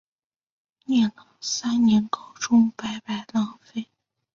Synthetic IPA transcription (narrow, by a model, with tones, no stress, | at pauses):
njɛ˥˩nlə˨˩sa˥nnjɛ˧˥nko˥˩ʊʈ͡ʂʊ˥ŋpa˧˥ɪpa˧˩ɪla˧˥ŋfe˥ɪ